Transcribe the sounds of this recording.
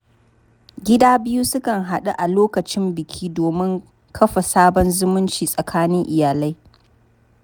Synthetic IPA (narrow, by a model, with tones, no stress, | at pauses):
ɡʲɪ˦daː˦bɪ˦ju˦sʊ˦kɐ˨ŋɦa˨ɗu˦ʔa˨loː˦kɐ˨t͡ʃɪ˦mbɪ˨kʲʰiː˦doː˨mɪ˦ŋ | kʰɐ˦ɸa˨saː˦bɔ˦nzʊ˦mʊ˦nt͡ʃiː˨sʼɐ˨kʰaː˦nɪ˦ŋʔɪ˨jaː˨la˦j